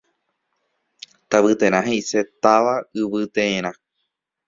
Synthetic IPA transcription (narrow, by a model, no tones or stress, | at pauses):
t̪aβɨt̪ẽ̞ɾ̃ãɦeise̞t̪aʋaɨʋɨt̪ẽẽɾ̃ã